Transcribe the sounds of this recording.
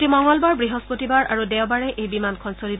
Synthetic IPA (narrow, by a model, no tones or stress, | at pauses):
timɔŋɡɔlbaɹbɹiɦɔspotibaɹʔaɹudɛwbaɹɛʔʔejbimankʰɔnsoɹib